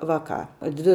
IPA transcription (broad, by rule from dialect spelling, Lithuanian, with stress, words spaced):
ˈʋɑːˌkɑː ˈdʲʋʲɪ